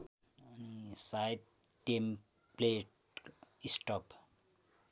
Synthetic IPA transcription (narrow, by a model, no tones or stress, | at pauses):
sajt̪̚ | ʈem | pleʈ | isʈɔp